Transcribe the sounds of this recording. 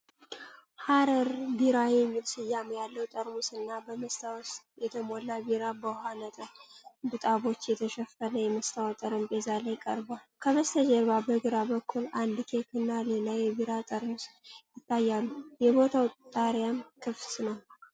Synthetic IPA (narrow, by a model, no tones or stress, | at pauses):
haɾəɾbiɾajɛmːilsɨjːamujalːəwt̪ʼəɾmusɨnːabəməst̪ʰaw | jɛt̪ʰəmolːabiɾabəhanət̪ʼəɾbɨt̪ʼaβo̞t͡ʃːjɛt̪ʰəʃɛfənəjɛməst̪ʰawt̪ʼəɾɨmbʼezalajkʼə̰ɾbalkʰəβəst̪ʰəd͡ʒɛɾβabəɡɨɾabəkʰːuland̪ɨkʰekʰɨnːalelajːɛbiɾat̪ʼəɾmusjɪt̪ːajːalːujɛbo̞t̪ʰawt̪ʼaɾjamkʰɨft̪nəw